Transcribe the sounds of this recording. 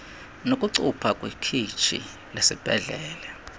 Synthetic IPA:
nokʼuǀupʰakʼwikʰit͡ʃʰḭ | lesib̥ʱɛɮɛːlɛ

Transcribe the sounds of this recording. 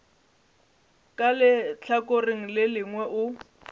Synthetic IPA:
kʼalɪt͡ɬʰakʼoriŋ̩lɪlɪŋwɛʔʊ

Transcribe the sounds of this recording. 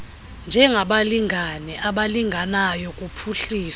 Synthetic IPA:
nd͡ʒʱɛŋʱaɓaliŋɡʱanɛʔaɓaliŋɡʱanajɔkʼupʰuɬiːs

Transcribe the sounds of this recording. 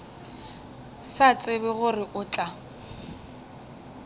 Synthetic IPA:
sat͡sʼɪbɛɣʊrɪʔʊːt͡ɬʼa

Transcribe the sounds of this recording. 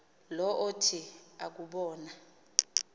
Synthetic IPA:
lɔʔotʰia̰k̬uɓɔːna

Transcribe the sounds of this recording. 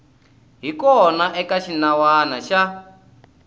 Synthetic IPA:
ɦikɔnaʔɛkaʃinawanaʃa

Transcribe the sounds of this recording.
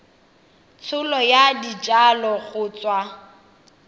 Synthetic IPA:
t͡sʰʊlɔjadit͡ʃʼalɔɣʊːt͡sʼwa

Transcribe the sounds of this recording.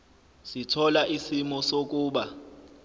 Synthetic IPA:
sitʰɔlaʔisimɔsok̬ʼuːɓa

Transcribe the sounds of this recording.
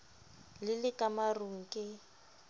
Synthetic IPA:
lɪlɪkʼamaruŋ̩kʼɪ

